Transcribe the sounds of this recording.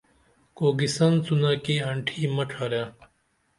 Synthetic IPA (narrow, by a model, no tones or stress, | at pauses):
koːɡisɐnt͡sunakiɐɳʈʰiːmɐʈʰaːɾjaː